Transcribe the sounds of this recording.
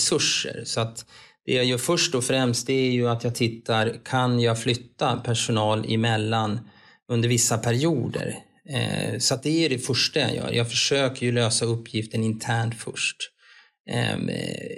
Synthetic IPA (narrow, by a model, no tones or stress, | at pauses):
sɵʂːə̰ɾsɔat̪d̪̥ɛjaːjœːfœʂʈɔfɾɛmst̪̚d̪ɛæɾjɵat̪jɑːɡ̚t̪ʰɪt̪ʰːaɾkʰanjɑːɡflʏt̪ːapʰæʂʊnɑːlɪ̰mɛlːan | ɵnd̪əɾvɪsːapʰæɾɪuːd̪ə̰ɾ | sɔat̪̚d̪ɛæɖɛfœʂʈaja̰jœ̰ːɾjɑːɡfœʂøːkəɾjɵløːsaɵpːjɪft̪əɳɪnt̪ʰæːɳʈfœ̰ʂʈ